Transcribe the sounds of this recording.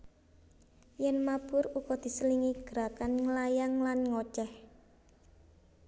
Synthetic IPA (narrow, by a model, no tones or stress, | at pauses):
jɛnmab̥ʊɾukɔd̪̥i̤səliŋiɡ̥ɾakanŋəlajaŋlanŋɔt͡ʃɛh